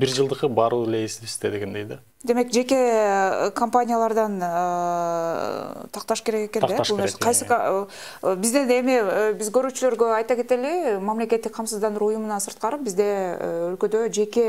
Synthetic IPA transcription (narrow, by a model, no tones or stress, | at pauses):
biɾd͡ʒɯlˠd̪ɯqɯbɑɾulesist̪ed̪eɡend̪ejd̪e | d̪e̞me̞kd͡ʒe̞ke̞kʰɐmpanʲijalˠɑɾd̪ɑn | t̪ʰɑq̚t̪ɑʃke̞ɾe̞keked̪ebulneseqʰɑjsɯk | bizd̪ene̞mibizɡø̞ɾyːt͡ʃylø̞ɾɡø̞ɑjt̪ɑke̞t̪e̞limamle̞ke̞t̪ːik̚qʰɑmsɯzd̪ɑnɯɾujumunɑsɯɾt̪̚qɑɾɯp̚bizd̪e̞ølkø̞d̪ø̞d͡ʒe̞ke̞